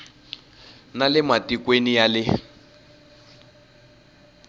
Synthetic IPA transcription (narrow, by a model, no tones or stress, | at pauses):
nalɪmatikwenijalɪ